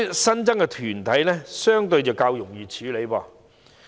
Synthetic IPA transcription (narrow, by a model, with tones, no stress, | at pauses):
sɐ˥nt͡sɐ˥ŋkɛ˧t̪ʰyː˨˩nt̪ʰɐ˨˥jlɛː˥sœː˥ŋt̪ɵ˧ɥt͡sɐ˨wkaː˧wjʊ˨˩ŋjiː˨t͡ʃʰyː˨˥le˨˧jpɔː˧